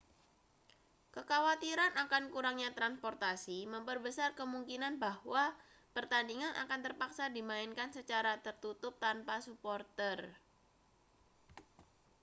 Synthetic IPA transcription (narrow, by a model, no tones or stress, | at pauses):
kəkawat̪iɾanʔakankuɾaŋɲat̪ɾanspɔrt̪asiməmpərbəsarkəmuŋkinanbahwa | pərt̪andiŋanʔa̰kant̪ərpaksadimaɪnkansət͡ʃaɾat̪ərt̪ut̪ʊp̚t̪anpasupɔrt̪ər